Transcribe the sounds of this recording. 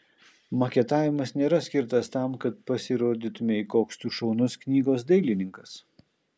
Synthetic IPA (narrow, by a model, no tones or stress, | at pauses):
mɐkʲɛt̪ɑːʋʲɪmɐsnʲeːɾɐsʲkʲɪɾt̪ɐst̪ɑˑmkɐt̪̚pɐsʲɪɾoːd̪ʲɪt̪ʊmʲeikoːkst̪uːʃɔʊnʊsknʲiːɡoːsd̪ɐɪlʲɪnʲɪŋkɐs